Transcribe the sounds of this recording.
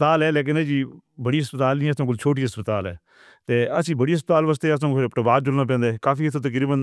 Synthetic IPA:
t̪aːlɛːleːk̬ɪnɛd͡ʒiː | bəɽiːɦəspət̪aːlnĩːɛːt̪ãːk̬ʊlt͡ʃʰoːʈ̬iːɦəspət̪aːlɛ̰ː | t̪eːəsĩːbəɽiːɦəs̬pət̪aːlʋaːs̬t̪eːəsãːpɪɾpʈəbaːɾ̚d͡ʒʊlnãːp̬ɛ̃ːnd̪eːɛkaːfiːət̪ʰːõːt̪ək̬ɾiːbən

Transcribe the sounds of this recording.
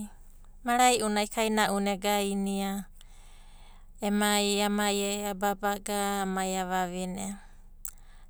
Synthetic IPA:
maɾajʔunajkajnaʔuneɡajnia | emajamajaababaɡaːmajaβaβine

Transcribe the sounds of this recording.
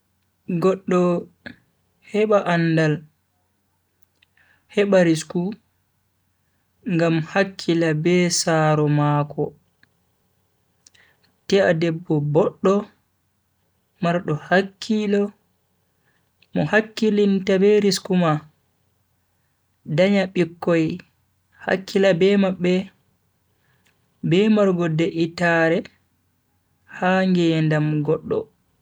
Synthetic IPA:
ɡɔɗːɔ | hɛɓaʔandal | hɛɓaɾisku | ŋɡamhakʰːilabɛsaːɾɔmaːkɔ | tɛa̰dɛbːɔbɔɗːɔ | maɾɗɔhakʰːilɔ | mɔhakːilintabeɾiskuma | daɲaɓikːɔj | ha̰kːilabɛmaɓːɛ | bɛmaɾɡɔdɛʔitaɾɛ | haŋɡɛndamɡɔɗːɔ̰

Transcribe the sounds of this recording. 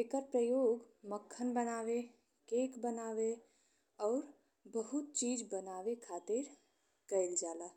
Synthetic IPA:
ekəɾpɾəjoːɡ | məkʰːənbənaːʋe | keːkbənaːʋe | ɔːɾ | bəɦʊt̪̚t͡ʃiːd͡ʒbənaːʋekʰaːt̪ɪɾ | kəɪld͡ʒaːlaː

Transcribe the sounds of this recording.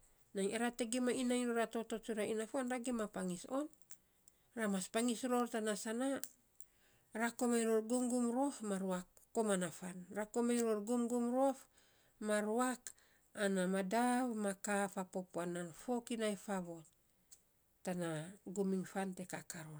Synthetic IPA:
najeɾateɡimainajɾoɾato̞tot͡ʃuɾainafanɾaɡimapaŋison | ramaspaŋisɾo̞ɾtanasana | ɾakomajɾoɾɡumɡumɾofmaɾuakː | omanafanɾakomajɾoɾɡumɡumɾof | maɾuak | anamadaβmakafapopuananfo̞kinajfaβo̞t | tanaɡumiŋfante̞kakaɾo

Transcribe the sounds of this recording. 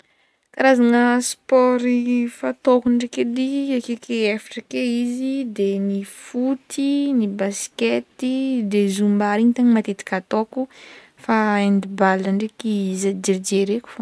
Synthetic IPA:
kaɾazaŋəspɔɾifat̪okuɳɖ͡ʐeked̪iakekeefiʈ͡ʂakeizid̪enifut̪inibasket̪id̪ezumbaɾiɲt̪aɲimat̪et̪i̥kat̪oku | faend̪ibaləɳɖ͡ʐekizad͡ʒeɾid͡ʒeɾeku̥f

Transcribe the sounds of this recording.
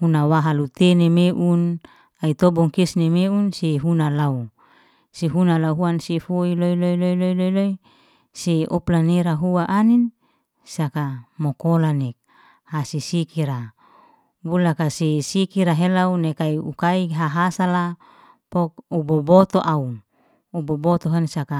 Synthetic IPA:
hunawaɦalut̪enemeʔun | ait̪obɔŋkesnemeunseɦunalau | seɦunalauɦuansefoiloiloiloilolojloi | seoplaneɾaɦuaʔanin | sakamokolanek̚ | hasisikiɾa | bulakasisikiɾaɦelaunekaiukaiɦaɦasala | pok̚ubobot̪oʔau | ubobot̪oɦansaka

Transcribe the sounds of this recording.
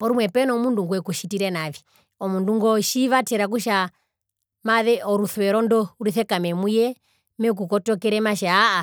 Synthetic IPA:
pɔɾumwɛpɛnɔmunduŋɡuɛkuʃitiɾɛnavi | ɔmunduŋɡɔʃiβatɛɾak̬uʃa | maðɛɔɾuθɛɾɔndɔuɾiθɛkamɛmujɛ | mɛk̬ukɔtɔkɛɾɛmaʃaːa

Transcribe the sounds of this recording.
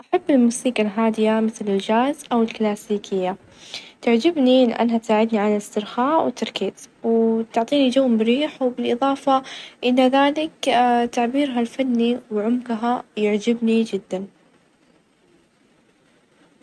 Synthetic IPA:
ʔaħabːɪlmuːsiːkalɦaːd̪ɪjamɪθlɪld͡ʒaːzʔawɪlklaːsiːkʰɪjːa | t̪aʕd͡ʒɪbnilʔa̰nːat̪saːʕɪd̪niʕanɪlɪst̪ɪɾxaːʔwɪt̪ːɑɾˤkeːt̪wt̪ʊʕt̪ˤiːnid͡ʒawːmbɪɾiːħwbɪlʔɨðˤɑːfaʔɪnːaðaːlɪkt̪aʕbiːɾɦalfanːiwʕʊmkɦajɪʕd͡ʒɪbnid͡ʒɪd̪ːan

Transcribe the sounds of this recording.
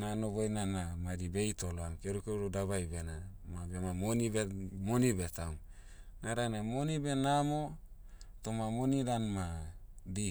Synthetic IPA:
nanoβojnanamadibejtoloaŋkeɾukeɾudaβajbenamabemamonibemonibetawŋ | naɾanemonibenamo | tomamonidanmadi

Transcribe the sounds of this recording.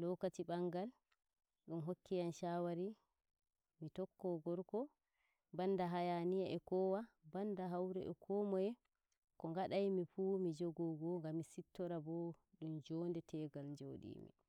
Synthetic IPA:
lɔkatiɓaŋɡal | ɗumɦokːijanʃawaɾi | mitɔkːɔɡɔɾkɔ | banːdaɦajanijaʔɛkɔːwabandaɦawɾɛ̰ʔɛkʰɔmɔjɛ | kɔŋɡaɗajmifumid͡ʒoɡɔɡɔŋɡamːisitːɔɾabɔ | ɗumd͡ʒɔːndɛtʰɛɡald͡ʒoːɗḭːmḭ

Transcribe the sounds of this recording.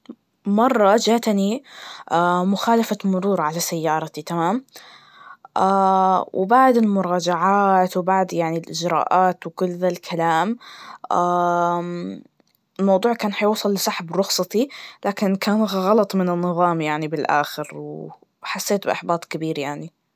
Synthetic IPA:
mɑrˤːɑd͡ʒaːt̪aniʔamʊxaːlafamʊɾuːɾʕalasajːɑːɾˤɑt̪it̪amaːm | ʔaːwʔɪ̰baʕd̪ɪlmʊɾˤɑːd͡ʒaʕaːt̪wɪbaʕd̪jaʕnilʔɪd͡ʒɾˤɑ̰ːʔaːt̪wkʊlːðalkʰalaːmʔa | ɪlmɑwd̪ˤuːʕkaːnħajɪwsˤɑlːɪsɑħabɾˤʊxsˤɑt̪ilaːkɪnkaːnɣɑlɑt̪ˤmɪnɪnːɨðˤɑːmjaʕnibɪlʔa̰ːxɪɾw | ħasːeːt̪̚bɪʔaħbɑːt̪ˤkabiːɾjaʕni

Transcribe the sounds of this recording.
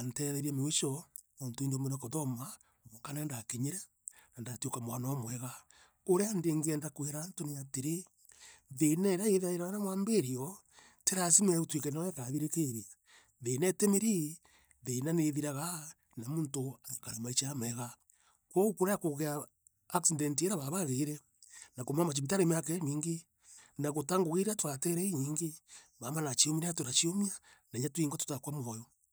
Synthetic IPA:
antɛðɛɾiɛmewit͡ʃɔmoːntoindomeɾekoðɔma | ɣokanandakeɲeɾɛ | nandatiokamwanamwɛɣa | oɾeandeːŋɡeɛndakweɾantoneateɾe | ðenɛɾaeðaeɾaɣanamwaːmbeɾiɔ | teɾasimɛutwikenɔɛkaðiɾekeɾia | ðenɛtemeɾi | ðenaneðiɾaɣa | namuːntoaikaɾemait͡ʃamɛɣa | kwoukuɾajakoɣeaː | ksidentieɾaβaβaɣeiɾɛ | nakomamat͡ʃ̬ipit̬aɾemeakeɲiːŋɡe | naɣotaŋɡoɣiɾatwateɾeiɲiːŋɡe | βamanat͡ʃiomiɾeatoɾat͡ʃiomia | naɲatwiːŋɡwatu̥takwamwɔjɔ

